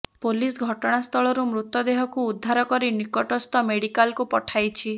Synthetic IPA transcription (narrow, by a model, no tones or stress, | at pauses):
polisɡʱɔʈɔɽ̃ast̪ʰɔɭɔɾumɾut̪ːɔd̪eɦɔkuːd̪ʱːaɾɔkɔɾinikɔʈɔst̪ɔmeɽikalkupɔʈʰajt͡ʃʰi